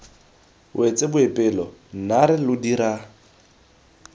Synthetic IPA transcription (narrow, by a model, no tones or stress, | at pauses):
wʔet͡sʼebʊepʼɪlɔn̩naɾɪlʊdiɾa